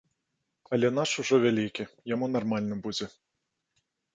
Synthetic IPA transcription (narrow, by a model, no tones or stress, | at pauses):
ɐlʲɛn̪aʂuʐɔvʲalʲikʲijamunarmalʲnɨbud͡zʲɛ